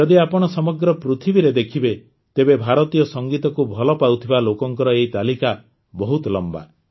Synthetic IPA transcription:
d͡ʒɔd̪iapɔɽ̃ɔsɔmɔɡɾɔpɾut̪ʰibiɾed̪ekʰibe | t̪ebebʱaɾɔt̪ijɔsɔŋɡit̪ɔkubʱɔlɔpawt̪ʰibalokɔŋkɔɾɔeit̪alika | bɔɦut̪ɔlɔmba̰

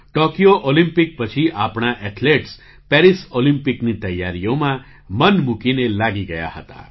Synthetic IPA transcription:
ʈokijoʔolĩmpik̚pət͡ʃʰiʔapɽ̃aʔɛʈʰleʈs | pɛɾisolimpiknit̪əjːaɾijomã | mənmukinelaɡiɡəja̰ɦət̪a̰

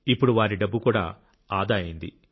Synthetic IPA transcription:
ipːuɽuʋaːɾiɖɐbːukuːɽa̰ː | aːd̪aːjind̪ḭ

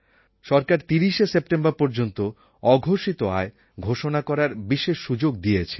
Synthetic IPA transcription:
ʃɔɾkaɾt̪iɾiʃesepʈembaɾpɔɾd͡ʑont̪o | ɔɡʱoʃit̪oa̰e | ɡʱoʃonakɔɾaɾbiʃeʃːud͡ʑoɡ̚d̪ijet͡ɕʰe̥

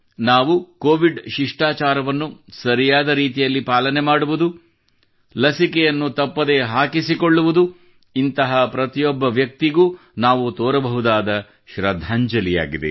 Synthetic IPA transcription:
naːʋukoːʋiɖʃiʂʈaːt͡ʃaːɾɐʋɐnːusɐɾijaːd̪ɐɾiːt̪̬ijɐlːipaːlɐnemaːɽuʋud̪u | lɐsikɛjɐnːut̪ɐpːɐd̪e̞ɦaːkisikoɭːuʋud̪u | int̪ɐɦɐpɾɐt̪ijɔbːɐʋjɐk̚t̪iɡuː | naːʋut̪ɔːɾɐbɐɦud̪aːd̪ɐ | ʃɾɐd̪ʱːaːɲd͡ʒɐlija̰ːɡid̪ḛ

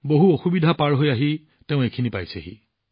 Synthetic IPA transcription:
boɦuoxubidʱapaɹɦojaɦi | teʊ̃ekʰinipajseɦḭ

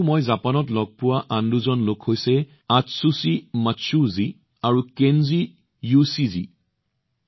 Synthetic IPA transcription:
mojzapanɔtlɔɡ̚pʊwaʔanduzɔnlokhojsɛ | atsusimatsuzi | aɹukenzi | jusizḭ

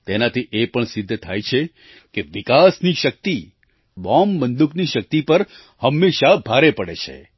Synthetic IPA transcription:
t̪enat̪ʰiʔepəɳsɪd̪ʱːt̪ʰajt͡ʃʰe | keʋikasniʃək̚t̪i | bɔmːənd̪ukniʃək̚t̪ipəɾ | həmːeʃabʱaɾepəɽet͡ʃʰḛ

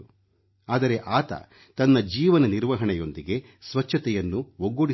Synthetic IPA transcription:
aːd̪ɐɾe̞ʔaːt̪ɐ̰ | t̪ɐnːɐd͡ʒiːʋɐnɐniɾʋɐɦɐɳɛjo̞nd̪iɡe̞ | sʋɐt͡ʃʰːɐt̪ɛjɐnːuʋoɡːoɽi

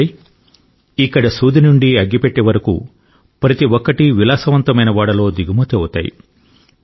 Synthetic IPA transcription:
ikːɐɽɐsuːd̪inuɳɖiɐɡːipeʈːeːʋɐɾɐkṵ | pɾɐt̪iʋɔkːɐʈiʋilaːsɐʋɐnt̪ɐmɐjnɐʋaːɽɐlo̞ːd̪iɡimɐt̪ewut̪a̰ːjḭ

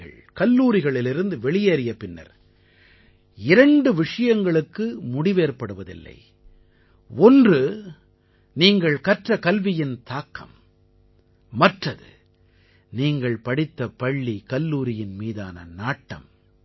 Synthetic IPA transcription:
ɐ̰ɭ | kɐlːuːɾɪɣɐɭɪlɪɾɯnd̪ɯʋɛɭɪjeːɾɪjɐpɪnːɐ̰ɾ | ɪɾɐɳɖɯʋɪʂɐjɐŋɡɐɭɯkːɯmʊɽɪʋeːɾpɐɽɯʋɐðɪ̰lːɐ̰ɪ | ɔndrɯ | niːŋɡɐɭkɐʈrɐkɐlʋɪjɪnt̪aːkːɐ̰m | ɐʈrɐðɯ̰ | niːŋɡɐɭpɐɽɪt̪ːɐpɐɭːikɐlːuːɾɪjɪnmiːða̰ːnɐ̰naːʈːɐ̰m

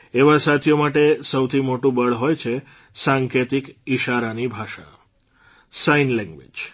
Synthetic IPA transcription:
eʋasat̪ʰjomaʈesəwt̪ʰimoʈũbəɭɦojt͡ʃʰe | sãŋket̪ikiʃaɾanibʱaʃa̰ | sainlɛ̃ŋɡʋḛd͡ʒ

